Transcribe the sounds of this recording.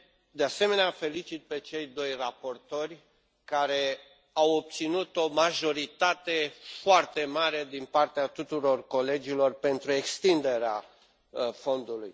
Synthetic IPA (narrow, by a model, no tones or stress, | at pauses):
d̪ease̞me̞neafe̞lit͡ʃit̪̚pe̞t͡ʃe̞jd̪o̞jrapo̞rt̪o̞rʲ | kaɾe̞ | awop̚t̪sinut̪o̞maʒo̞ɾit̪at̪e̞foart̪e̞maɾe̞d̪inpart̪eat̪ut̪uɾo̞rko̞le̞d͡ʒilo̞rpe̞nt̪ɾue̞kst̪ind̪e̞ɾea | fo̞nd̪uluj